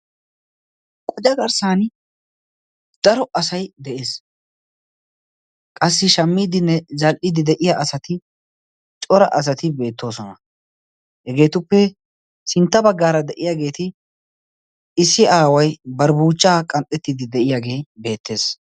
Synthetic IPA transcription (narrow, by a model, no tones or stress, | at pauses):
kʼɔd͡ʒɐɡɐɾsaːn | d̪̥ɐɾɔʔɐsɐjd̪ɛʔe̞ːs | kʼɐsːɪʃɐmːiːd̪ɪnːɛzɐlʔɪd̪ɪd̪ɛʔɪjaʔɐsɐt̪ɪ | t͡ʃʼɔɾɐʔɐs̬ɐt̪ɪbe̞ːt̪ːo̞ːsɔnɐ | hɛɡe̞ːt̪ʊpːɛ | sɪnt̪ːɐbɐɡːaːɾɐd̪ɛʔɪjaːɡe̞ːt̪ɪ | ɪsːɪaːwɐjbɐɾbuːt͡ʃːaːkʼɐnt̪ʼːɛt̪ːɪd̪ɪd̪ɛʔɪjaːɡe̞ːbe̞ːt̪ːe̞ːs